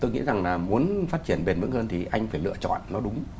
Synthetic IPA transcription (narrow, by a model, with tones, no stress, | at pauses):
t̪o˧jŋḭ˧˥za˨˩ŋlaː˨˩mu˨˦ənfaː˦˥t̚t͡ɕi˧˩ənɓe˨˧˩nmɨ̰˧˥ŋhəː˧nt̪ʰi˨˩ʔa˧jŋ̟faː˧˩jlɨ̰˧˨ət͡ɕɔ̰˧˨nːɔ˨˦ɗʊ˨˦ŋ͡m